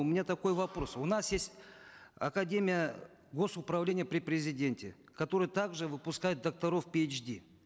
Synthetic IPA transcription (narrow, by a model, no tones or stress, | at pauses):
ʊmʲɪnʲat̪ɐko̞jvɐpɾo̞sʊnasjesʲtʲɐ̰kɐdʲemʲɪjə | ɡo̞sʊpɾɐvlʲenʲɪjəpɾʲɪpɾʲɪzʲɪdʲe̞nʲtʲɪ | kɐt̪o̞ɾɨjət̪aɡʐɨvɨpʊskajɪt̪̚d̪ɐk̚t̪ɐɾo̞fpʲet͡ʃdʲi